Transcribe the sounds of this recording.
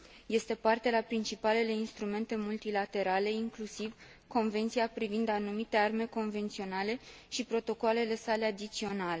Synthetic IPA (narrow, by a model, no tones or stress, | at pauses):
je̞st̪e̞part̪ealapɾint͡ʃipale̞le̞inst̪ɾume̞nt̪e̞mult̪ilat̪e̞ɾale̞iŋklusiv | ko̞nve̞nt̪siapɾivind̪anumit̪e̞arme̞ko̞nve̞nt̪sio̞nale̞ʃipɾo̞t̪o̞koale̞le̞sale̞ad̪it̪sio̞nale̞